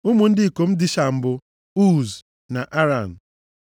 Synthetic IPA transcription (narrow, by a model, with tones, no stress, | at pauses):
ʊ˦mu˨n̩˦dɪ˦i˨ko˨m̩˦dɪ˦ʃa˨m̩˦bʊ˦ | u˦˨z | na˨ʔa˦ɾa˨n̩˨